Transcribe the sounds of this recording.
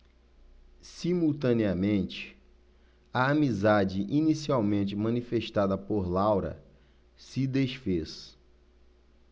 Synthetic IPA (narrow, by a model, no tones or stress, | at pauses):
simuwt̪ɐ̃neɐmẽnt͡ʃɪ̥ | ɐamizad͡ʒɪʔinisiawmẽnt͡ʃɪmɐ̃nifeʃt̪ad̪ɐpoɾlawɾɐ̰ | sɪd̪eʃfes